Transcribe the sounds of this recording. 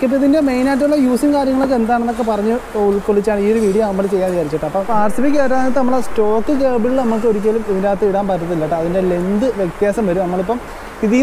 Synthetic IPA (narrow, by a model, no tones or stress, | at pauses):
kːeip̬ːoiðinde̞me̞jnaːt̬ːuɭːɐjuːsiŋkaːɾjɐŋːɐɭokːe̞nd̪aːɳenːokːe̞pɐrɐɲːɨuɭkoɭːit͡ɕːaːɳɨiːoɾuʋiːɽijonɐmːɐɭt͡ɕe̞jːaːnʋit͡ɕaːɾit͡ɕːɐʈːɐpːɐpaːrsifikʲːeːɾːɐait̪nɐmːɐɭsʈo̞ːkːɨkeːbiɭiɭnɐmːuk̬ːɨo̞ɾikʲːaːlumiðindaːt̪ːɨiɽaːnpɐt̪ːɐðilːɐʈːɨɐðinde̞le̞nd̪ɨʋjek̚t̪jaːsɐmʋɐɾumnɐmːɐɭipːɐm | iði